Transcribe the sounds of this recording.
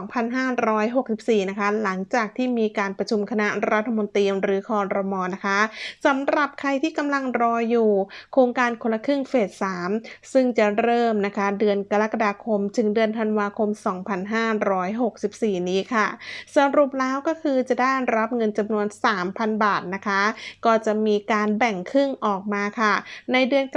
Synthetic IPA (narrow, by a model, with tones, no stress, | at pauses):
ɔː˩˦ŋpʰa˧nɦaː˥˩ɾɔː˦˥jɦo˨˩k̚si˨˩p̚siː˨˩na˦˥kʰa˦˥la˩˦ŋt͡ɕaː˨˩k̚t̪ʰiː˥˩miː˧kaː˧npɾa˧t͡ɕʰu˧mkʰa˧na˦˥ɾa˦˥t̪ʰːa˧mo˧nt̪iː˧ɾɯː˩˦kʰɔː˧ɾɔ˧mɔː˧na˦˥kʰa˦˥sa˩˦mɾa˨˩p̚kʰa˧jt̪ʰiː˥˩ka˧mla˧ŋɾɔː˧jːuː˨˩kʰoː˧ŋkaː˧nkʰo˧nla˧kʰɯ˥˩ŋfeː˨˩t̪̚saː˩˦msɯ˥˩ŋt͡ɕa˨˩ɾɤː˥˩mna˦˥kʰa˦˥dɯ˧ənka˧ɾa˦˥kːa˧daː˧kʰo˧mt̪ʰɯ˩˦ŋdɯ˧ənt̪ʰa˧nwaː˧kʰo˧msɔː˩˦ŋpʰa˧nɦaː˥˩ɾɔː˦˥jɦo˨˩k̚si˨˩p̚siː˨˩niː˦˥kʰa˥˩sa˧ɾu˨˩p̚lɛː˦˥wkɔː˥˩kʰɯː˧t͡ɕa˨˩da˥˩jɾa˦˥p̚ŋɤ˧nt͡ɕa˧mnu˧ənsaː˩˦mpʰa˧nbaː˨˩t̪̚na˦˥kʰa˦˥kɔː˥˩t͡ɕa˨˩miː˧kaː˧nbɛ˨˩ŋkʰɯ˥˩ŋʔɔː˨˩k̚maː˧kʰa˥˩na˧jdɯ˧ən